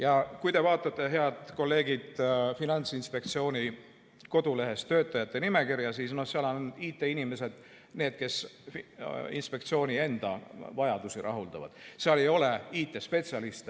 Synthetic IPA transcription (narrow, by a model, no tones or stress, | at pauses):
jɑkujt̪e̞vɑːt̪ˑːɑt̪ːˑe̞ɦe̞ɑd̪̥ko̞lːe̞ːɡid̪̥finɑnʲt̪sinspe̞kt̪sio̞ːnʲi | ko̞d̪̥ule̞ɦe̞st̪ːø̞ːt̪ˑːɑjɑt̪ːˑe̞nime̞kirjɑsiːsno̞hseɑlɑnniːt̪ːˑe̞inime̞se̞d̪̥ | ne̞ːd̪̥̚ke̞s | ḭnspe̞k̚t̪sio̞ːnʲie̞nd̪̥ɑ̰vɑjɑd̪̥usiɾʔɑ̰ɦuld̪̥ɑ̰vɑ̰d̪̥seɑle̞jo̞le̞iːt̪ːˑe̞spe̞t̪siɑlist̪